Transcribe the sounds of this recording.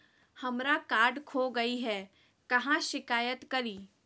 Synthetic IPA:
hɐmɾakaːɾɖkʰoːɡɐiɦɛː | kɐɦãʃɪkaːjət̪kɐɾiː

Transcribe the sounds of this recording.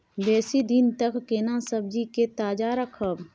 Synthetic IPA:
bɛːsid̪ɪnt̪əkkenãsəb̚d͡ʒiket̪aːd͡ʒaɾəkʰəb

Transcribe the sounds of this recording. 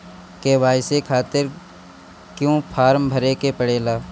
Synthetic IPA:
keʋaːɪsekʰaːt̪ɪɾ | kjõːpʰaːɾmbʱɐɾekepəɽeːlaː

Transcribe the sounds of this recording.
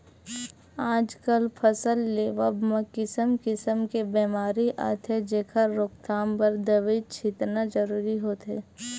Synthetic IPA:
aːd͡ʒkəlpʰəsəlːeːʋəbmə̃kɪsəmkɪsəmkebeːmaːɾiʔa̰ːt̪ʰɛd͡ʒeːkʰaɾoːk̚t̪aːmpɐɾd̪əʋit͡ʃʰɪt̪nad͡ʒəɾuːɾiɦoːt̪ɦɛ̰ː

